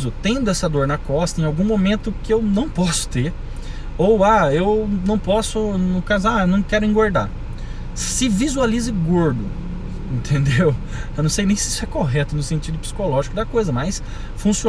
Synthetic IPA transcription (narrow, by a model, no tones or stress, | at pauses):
zʊt̪ẽj̃d̪ʊɛsɐd̪oɾnɐkɔst̪ɐẽawɡũmomẽnt̪ʊkɪewnɐ̃w̃pɔsʊ̥t̪eɾ | owaewnɐ̃w̃pɔsʊnʊkazʊaewnɐ̃w̃kɛɾʊĩŋɡoɾd̪a̰ | sɪvizualizɪɡoɾd̪ʊ | ẽnt̪ʰẽnd̪ew | ewnɐ̃w̃sejnẽj̃sɪi̥sʊɛkoɦɛt̪ʊnʊsẽnt͡ʃid̪ʊpsi̥kolɔʒikʊd̪ɐkojzɐmɐjs | fũsio